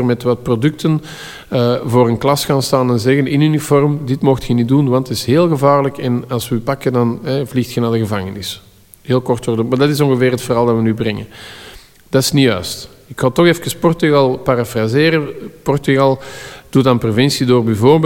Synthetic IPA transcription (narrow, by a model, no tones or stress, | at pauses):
ərmɛtʋɑt̚prodʏk̚tən | əvoːɾənklɑsxaːnstaːnɛnzɛɣənɪnynifɔrmdɪtmoxtxənidunʋɑntɪsɦeːlˠɣəvaːrləkɛnɑlˠswəpakəndɑnɦɛvlixtxənaːdəɣəvaŋənɪs | ɦeːlˠkɔrtərdunmaːdɑtɪs̬ɔnɣəveːrɦətfərɑːlˠdɑtʋənybrɛŋə | d̥ɑɪsnijœ̰ːst | ɪkxaːtɔxɛfkəspɔrtyɣɑlˠpaɾafrazeːɾəpɔrtyɣɑlˠd̥utaːnprovɪnsidoːrbɛvoːrb